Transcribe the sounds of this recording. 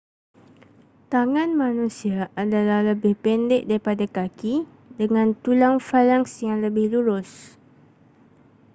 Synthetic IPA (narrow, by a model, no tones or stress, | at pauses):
t̪aŋãnmãnũsiaʔadalahləbɪhpɛndɪʔ̚daɾipadakaki | dəŋãnt̪ulaŋfalaŋsjaŋləbɪhluɾʊs